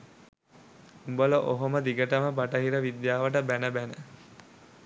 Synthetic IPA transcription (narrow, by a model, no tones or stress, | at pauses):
umbələʔoɦoməd̪iɡəʈəməbaʈəɦiɾəʋid̪jaːʋəʈəbænəbænə